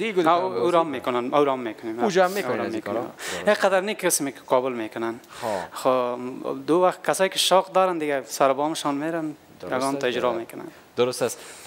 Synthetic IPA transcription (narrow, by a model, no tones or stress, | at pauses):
d̪iɡauɾamːekʊnanauɾamːeːkʊneːmaud͡ʒɔamːeɾamːeːkna̰eqad̪aɾnikʰɪsmekɪ̥qɔːbʊlmeːkʊnanxxo | d̪ʊwaxt̪̚kasɔːjikɪʃɔːqd̪ɔːɾand̪ɪɡasaɾbɔːmɪʃɔːnmeːɾan | jaɡɔːnt̪aɪd͡ʒɾɔːmeːkʊna̰n | d̪ʊɾʊst̪as